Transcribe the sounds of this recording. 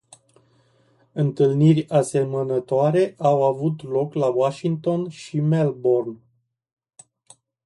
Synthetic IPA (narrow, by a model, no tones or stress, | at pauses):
ɨnt̪ɨlnirʲase̞mənət̪oaɾe̞ʔawavut̪lo̞klawaʃiŋk̚t̪o̞nʃimelbo̞rn